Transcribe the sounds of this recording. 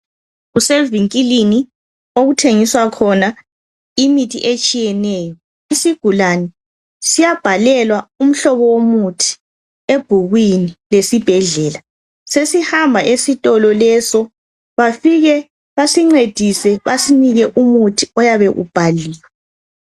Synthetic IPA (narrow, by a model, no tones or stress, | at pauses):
uselviŋkʼilini | oɣutʰeŋiswakʰɔna | imitʰḭʔet͡ʃʼijɛnɛːjɔ | isiɡ̥ʱulanɛ | sijab̥ʱalɛlwaum̩ɬɔβɔwomutʰi̥ | eb̥ʱuɣwinilesib̥ʱɛɮɛːla | sesihambʱaʔesitʼɔlɔlɛsɔ | βafiɣɛ | βasiŋ͡ǀed̥ʱisɛβasiniɣɛʔumutʰiɔjaβɛʔṵb̥ʱaliːjɛ